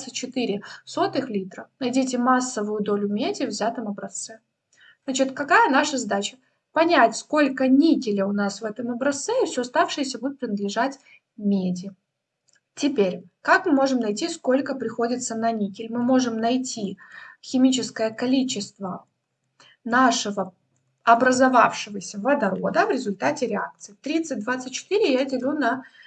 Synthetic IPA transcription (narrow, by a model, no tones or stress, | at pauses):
sət͡ɕɪt̪ɨɾʲɪso̞t̪ɨxlʲit̪ɾənɐjdʲitʲɪmasːəvʊjʊd̪o̞lʲʊmʲedʲɪvzʲat̪əmɐbɾɐst̪sɛ | znat͡ɕɪt̪kɐkajənaʂəzɐd̪at͡ɕə̥ | pɐnʲætʲsko̞lʲkənʲikʲɪlʲɪʊnasvɛt̪əmɐbɾɐst̪sɛifsʲoɐst̪afʂɨjəsʲəbud̪ɪt̪̚pɾʲɪnəd̪lʲɪʐatʲ | mʲedʲɪ | tʲɪpʲeɾʲkakmɨmo̞ʐɨmnɐjtʲisko̞lʲkəpɾʲɪxodʲɪt̪sənɐnʲikʲɪlʲmɨmo̞ʐɨmnɐjtʲixʲɪmʲit͡ɕɪskəjəkɐlʲit͡ɕɪst̪və | naʂɨvə | ɐbɾəzɐva̰fʂɨvəsʲəvɐd̪ɐɾo̞d̪əvɾʲɪzʊlʲt̪atʲɪɾʲɪak̚t̪sɨɪft̪ɾʲit̪sɨt̚ʲd̪vat̪sɨt̚ʲt͡ɕːɪ̥t̪ɨɾʲɪjadʲɪlʲunɐ